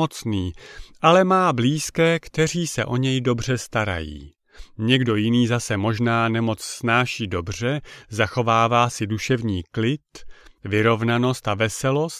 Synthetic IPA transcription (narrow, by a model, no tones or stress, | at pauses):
ot͡sniːʔalɛmaːbliːskɛːkt̪ɛr̝iːsɛ̰ʔo̞ɲɛjdo̞br̝ɛst̪aɾa̰jḭː | ɲɛɡdo̞jɪniːzasɛmo̞ʒnaːnɛmo̞t͡ssːnaːʃiːdo̞br̝ɛzaxo̞vaːvaːsɪduʃɛvɲiːklɪt̪vɪɾo̞vnano̞st̪avɛsɛlo̞st̪